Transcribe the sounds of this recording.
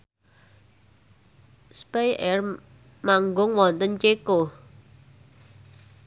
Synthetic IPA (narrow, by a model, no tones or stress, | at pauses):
spejɛr | maŋɡʊŋwɔnt̪ənt͡ʃeko